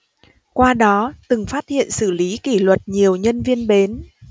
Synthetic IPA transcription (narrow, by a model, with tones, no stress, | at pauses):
kwaː˧ɗɔ˨˦t̪ɨ˨˩ŋfaː˦˥t̚hḭ˧˨ənsɨ˧˩li˨˦ki˧˩lwə˨˩t̚ɲi˨˩əwɲə˧nvi˧ənɓe˨˦n